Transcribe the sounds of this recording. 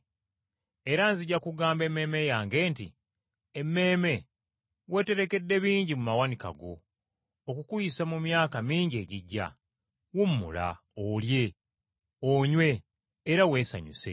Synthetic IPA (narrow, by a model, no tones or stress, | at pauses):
eɾanziɟakuɡaːmbe̞meːme̞jaːŋɡe̞ːntḭ | emːe̞ːme̞ | we̞te̞ɾe̞ke̞dːe̞βiːɲɟimumawanika̰ɡo̞ | okukujisamumjaːkamiːɲɟie̞ːɟiɟːa̰ | wumːṵla̰ | olje̞ | oɲwe̞ː | ɾawe̞ːsa̰ɲṵse̞̰